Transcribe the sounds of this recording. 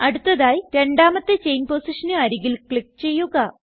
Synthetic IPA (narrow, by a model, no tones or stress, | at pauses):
ɐɽut̪ːɐðaːjiɾe̞ɳɖaːmɐt̪ːet͡ɕe̞jnpoːsiʂɐnɨɐɾiɣilkɭik̚ːt͡ɕe̞jːuɣɐ